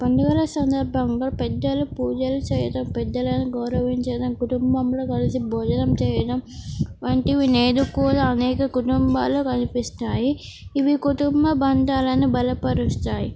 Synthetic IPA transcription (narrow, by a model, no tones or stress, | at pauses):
pɐnɖ̪uɡɐlɐsɐnd̪ɐɾbʱɐŋɡaːpɛd̪ːɐlupuːd͡ʒɐlut͡ʃɛːjɐʈ̪ɐmpɛd̪ːɐlɐjnɐɡɐwɾɐʋiɲt͡ʃɐd̪ɐmkuʈumbɐmloːkɐlisibʱɔːd͡ʒɐnɐmt͡ʃɛːjɐd̪ɐmʋɐɳʈiʋineːd̪ukːuːɽaɐnɛːkɐkuʈumbaːlokɐnipist̪aːjiːʋikuʈumbɐbɐnd̪aːlɐnibɐlɐpɐɾust̪aːji